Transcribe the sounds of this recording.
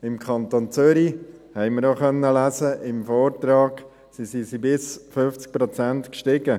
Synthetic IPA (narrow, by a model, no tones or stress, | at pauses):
ɪmkʰχɑnt̪oːnt͡sʏɾihɛɪməɾoχœnːəlæzəɪmfɔːɾt̪ɾɑːɡ̥ | sisisibɪsfʏft͡sk̚pɾɔt͡sænt̪kʃtɪɡə